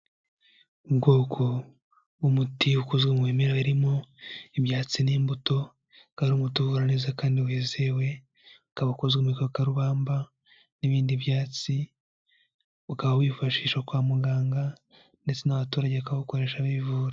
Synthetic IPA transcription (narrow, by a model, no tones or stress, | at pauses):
ubɡoːkʰo | umutiukuzɡwemweːmeɾaβiɾimo̞iβjaːt͡siniːmbuto̞ | kaɾumutuvuɾaneːzakaːndiweːze̞we̞ | ukaβaukuzɡwemikokaɾuβaːmba | niβiːndiβjaːt͡si | ukaβawiːfaʃiːʃakwaːmuɡaːŋɡa | nde̞t͡se̞naβatuːɾaɟeakaβaukoɾe̞ːʃaβiivuːɾa